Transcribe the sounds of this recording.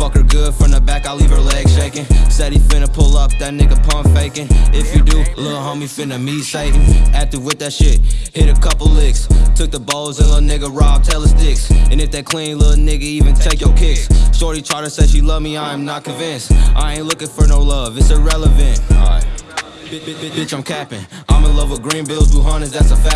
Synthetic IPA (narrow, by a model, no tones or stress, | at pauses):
fʌkə˞ɡʊd̥fɹʌ̃mðəbækaɪliv̥ə˞lɛɡ̥z̥ʃeɪkɨ̃nsɛɾifɪ̃nəpʰʊlˠʌp̚ðɨt̚ⁿnɪɡɨpʰʌ̃mpfeɪkɨ̃nɪfjɨdɨlɪɾ̩ˠhõʊ̃mifɪ̃nɨmiseɪ̃næk̚tɨd̚wɪθððɨtʃɪt̚hɪɾɨkʰʌpl̩ˠlɪɡstʰʊk̚ðəboʊlˠzə̃lɪlˠnɪɡəɹɑb̚tʰɛlˠəstɪksɨ̃nɨfðeɪkʰl̥ĩnlɪɾl̩ˠnɪɡɨivɨ̃ntʰeɪkjə˞kʰɪkssɔɹtˡlitʰɹ̥aɪɾɨseʃilʌvmiãɪ̃mnət̚kʰɨ̃nvɪ̃nsʔaɪẽɪ̃nˡlʊkɨ̃tfə˞noʊlʌvɨtsəɹɛlˠəvɨ̃nt̚aɪ | b̥ɪt͡ʃãɪ̃mkʰæpɨ̃n | ʔãɪ̃məlʌvəɡɹĩnbɪlˠduɦʌ̃nɨzðætsəfæ